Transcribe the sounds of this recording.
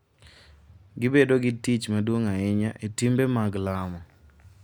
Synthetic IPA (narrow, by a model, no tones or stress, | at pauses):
ɡɪbedoɡɪtit͡ʃmadwoŋaɪɲaʔetimbemaɡlamɔ